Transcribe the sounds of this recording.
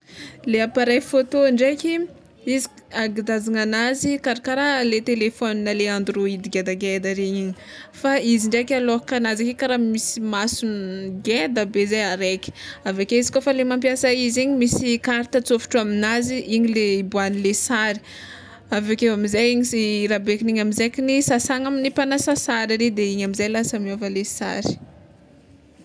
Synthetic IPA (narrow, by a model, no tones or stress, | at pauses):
leapaɾajfot̪oɳɖ͡ʐekʲi | iziaɡid̪azaŋanazikaɾakaɾalet̪elefɔninəleand̪uɾuid̪iɡed̪aɡed̪aɾeɲiɲifaiziɳɖ͡ʐekalokanazakekaɾamisimasuniɡed̪əbezejaɾekʲi̥avekeizi̥kofalemampjasaiziɲimisikaɾt̪at͡sofu̥ʈ͡ʂuaminaziʔiɲileibuanilesaɾi̥ | avekeamizajiŋisiɾabekiniɲamizekinisasaŋaminipanasasaɾiɾed̪eiɲamizajlasamiofəlesa̰ɾi̥